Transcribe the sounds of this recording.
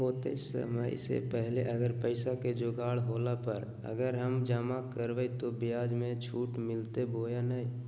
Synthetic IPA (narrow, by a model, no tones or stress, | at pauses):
ɦoːt̪ḛɪsə̰məḭsḛpɛɦleʔəɡəɾpəɪsaked͡ʒoːɡaːɽɦoːlapəɾ | ə̰ɡəɾɦəmd͡ʒaːmakəɾʋəit̪obɪjaːd͡ʒmẽt͡ʃʰuːʈmɪlt̪eboːjanaːi